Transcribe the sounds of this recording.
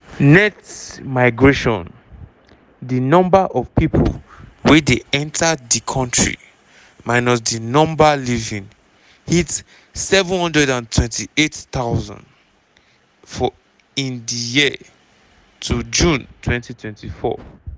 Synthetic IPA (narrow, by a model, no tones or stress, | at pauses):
nɛtmaɪɡɹeʃɔ̰̃n | dinɔ̃mbaʔɔvpipʰo̰lwɛdeɛ̃ntʰadikʰɔ̃ntɹḭ | maɪnɔsdinɔ̃mbalivĩŋ | hit | sɛvə̃nhɔ̃ndɹɛdãntʰwɛ̃ntʰiettawzɔ̰̃nd | fɔ | ĩndiji | tʰud͡ʒũntʰwɛ̃ntitwɛ̃ntʰifɔ̰